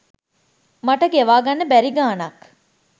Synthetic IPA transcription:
maʈəɡeʋaːɡɐnːəbæɾiɡaːnɐk

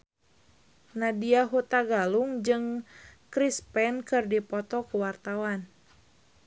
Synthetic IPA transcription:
nadiaɦut̪aɡaluŋd͡ʒɨŋkɾispɛnkɨrdipɔt̪ɔkuwart̪awan

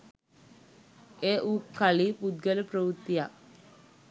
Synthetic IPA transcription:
eːʔukʰːalipud̪̚ɡələprəʋut̪ːija

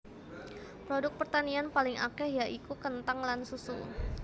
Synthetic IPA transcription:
pɾodʊk̚pərt̪anianpalɪŋakɛhjaʔikukənt̪aŋlansusṵ

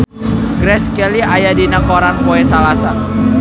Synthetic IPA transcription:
ɡɾɛskɛliajadinakoɾanpoɛsalasan

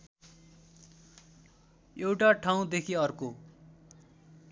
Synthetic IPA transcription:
ewʈaʈʰaw̃d̪ekʰiʌrko

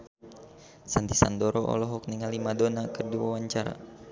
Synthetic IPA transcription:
sand̪isa̰ndɔɾɔʔɔ̰lɔɦɔk̚niŋalimadonakərduwawaɲt͡ʃaɾa̰

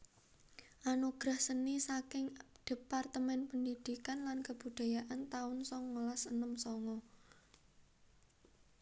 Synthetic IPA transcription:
ʔanoɡ̥ɾahsənisakɪŋd̪̥e̤part̪əmɛnpənd̪id̪̥ikanlankəb̥ud̪̥a̤jaʔant̪aʊnsɔŋːolasənəmsɔŋɔ

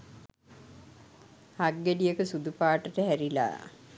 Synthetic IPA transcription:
haɡːeɖijəkəsud̪upaːʈːəʈəɦæɾila̰ː

